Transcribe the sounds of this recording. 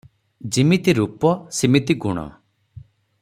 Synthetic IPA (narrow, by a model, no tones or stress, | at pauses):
d͡ʒimit̪iɾupɔsimit̪iɡuɽ̃ɔ̰